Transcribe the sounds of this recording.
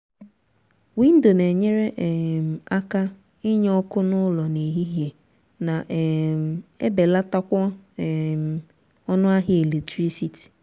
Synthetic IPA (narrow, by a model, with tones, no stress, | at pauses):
wi˦n̩˦do˨ne˨ɲe˦ɾe˦ʔm̩˨a˦ka˦ | ɪ˦ɲ˦ɔ˦kʊ˦nʊ˦lɔ˨ne˨ɦi˦ɦje˨ | na˨ʔm˨ḛ˦be˨la˦ta˦kʷɔ˦˨m˨ | ɔ˦nʊ˦a˦ɦe˨le˨tɾi˦si˨ti̥˨